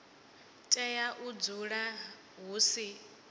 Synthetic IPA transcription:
tʼɛjaʔud͡zuɺa | ɦusi

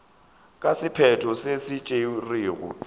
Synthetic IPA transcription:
kʼasɪpʰɛtʰɔsesɪt͡ʃʼeuriːɣʊ̰

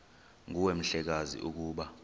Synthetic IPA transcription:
ŋuwem̩ɬɛk̬azḭʔuk̬uːɓa

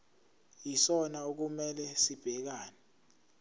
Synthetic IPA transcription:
jisɔnauk̬umɛlɛsib̥ʱɛk̬aːnɛ

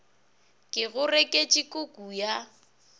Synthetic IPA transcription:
kʼɪɣʊrekʼet͡ʃʼɪkʼʊkʼuja

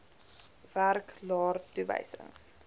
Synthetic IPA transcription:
værklɑːrtuvə̰jsə̰ŋs

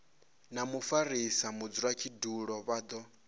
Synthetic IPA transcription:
namufaɾisamud͡zuɺakʰiduɺɔβaːd̪ɔ

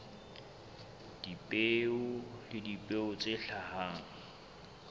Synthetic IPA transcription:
d̥ipʼeʊlɪdipʼeʊt͡sʼeɬahaŋ̩

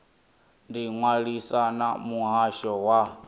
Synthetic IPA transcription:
ndiŋwaɺisanamuɦaʃɔwa

